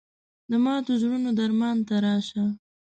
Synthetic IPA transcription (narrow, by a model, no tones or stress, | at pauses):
d̪əmɑd̪əzɾunod̪aɾmɑnt̪aɾɑʃa